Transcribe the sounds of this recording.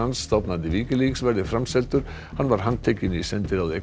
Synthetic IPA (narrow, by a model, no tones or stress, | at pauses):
ansːt̪awpnant̪ɪviːcɪliːksvɛɾðɪfɾamsɛlt̪ʏɾ̥ | hanːvaɾ̥ɦanːt̪ʰejcɪnisɛnt̪ɪɾawðe